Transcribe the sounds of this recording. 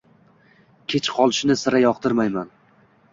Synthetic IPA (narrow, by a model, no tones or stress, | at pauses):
kʲʰet͡ʃqʰɒlˠɪʃɪnɪsɪɾajɒqt̪ʰɪɾmajman